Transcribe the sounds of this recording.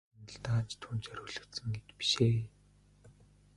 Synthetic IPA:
nə̆ɮt̪aːt͡ɕt̪ʰuːnt͡ɕœɾʲʊːɮɵ̆kt̪sə̆ŋɡet͡ɕ̪pi̥ʃeː

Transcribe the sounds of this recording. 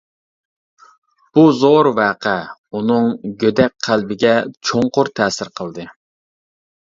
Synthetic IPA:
b̥uzoɾvæːqʰɛunɨŋɡʲød̪ɛk̚ʲqʰːælbɪɡʲɛt͡ʃʰoŋqʊɾt̪ʰɛːsɪɾqʰəlˠd̪ɨ

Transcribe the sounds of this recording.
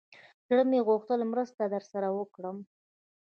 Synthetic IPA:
zɽəmeɣuxt̪əlmɾəst̪ad̪əɾsaɾawəkɽəm

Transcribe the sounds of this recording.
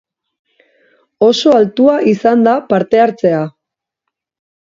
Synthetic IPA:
o̞so̞alt̪uaʔisand̪apaɾt̪e̞aɾt͡se̞a

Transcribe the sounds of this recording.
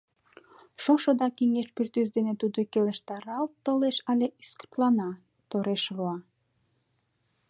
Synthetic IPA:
ʃoʃod̪ɑkiŋeʃpyrt̪ys̬d̪enet̪ud̪okeləʃt̪ɑɾɑlt̪əleʃɑlʲeʔysku̥t̪lɑnɑ | t̪oɾeʃβoɑ

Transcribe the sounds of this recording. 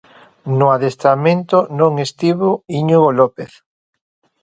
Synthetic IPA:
nʊaðest̪amẽnt̪onõŋest̪iβoiɲuɣolopeθ

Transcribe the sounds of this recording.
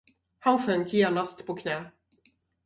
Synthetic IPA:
hanɧœŋkjeːnast̪pʰɔkʰnɛː

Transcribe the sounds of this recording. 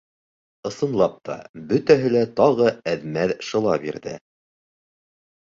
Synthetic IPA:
ɤ̆sɤ̆nlˠɑp̚t̪ʰɑ̰bɵt̪æɦɘlæt̪ɑʁɤæðmæðʃɤ̆lˠɑbḭɾðɘ̰

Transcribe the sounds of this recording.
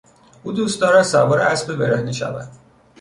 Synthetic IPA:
uːd̪uːst̪d̪ɒːɾæd̪sæbɔːɾeæsbibeɾehniʃæ̰væ̰d̪̥

